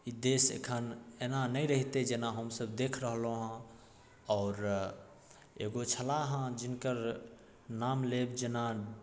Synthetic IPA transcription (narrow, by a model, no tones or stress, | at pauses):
id̪esḛkʰənenanəiɾəɦit̪ed͡ʒenaɦəmsəbd̪ekʰɾəɦəlõɦə̃ | ɔːɾ | ḛɡot͡ʃʰəlaɦə̃d͡ʒinkəɾ | namlebd͡ʒena